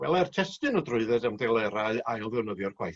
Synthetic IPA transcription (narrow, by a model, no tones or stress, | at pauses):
wɛ̰lˠɛrtʰɛstɨnɔdrʊɨðɛdamdɛlˠɛɾaɨajlˠðɛwnəðjɔrkʰwaj